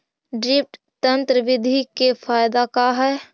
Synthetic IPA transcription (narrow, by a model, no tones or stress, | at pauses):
ɖɾɪp̚ʰʈ | t̪ə̃nt̪ɾəʋɪd̪ʱikefʰaːjd̪akaɦɛː